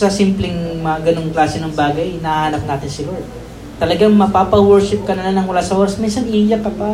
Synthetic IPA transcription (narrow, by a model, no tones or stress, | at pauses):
sɐsimplɛŋmɐɡɐnoŋklaːsɛnɐŋbaːɡɐjnɐhahanɐp̚naːt̪ɪnsɪlod̪̚ | t̪ɐlɐɡaŋmɐpaːpɐwɛɹʃɪp̚kɐnɐlanɐŋwɐlaːsɐʔoːɾɐsminsɐnʔijakɐpa